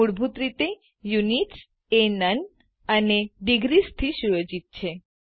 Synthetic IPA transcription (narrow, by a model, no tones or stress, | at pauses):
uɽbʱut̪ɾit̪e | juniʈ | enən | əneɖiɡɾist̪ʰiʃujod͡ʒit̪̚t͡ʃʰe